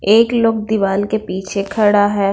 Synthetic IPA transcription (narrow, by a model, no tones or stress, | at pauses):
eːklʊk̚d̪iʋaːlkepiːt͡ʃʰekʰɐɽaɦɛː